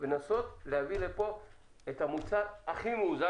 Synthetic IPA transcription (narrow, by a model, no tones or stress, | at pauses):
venaso̞t̪lehavilepo̞ | et̪amut͡saʁaχimuːza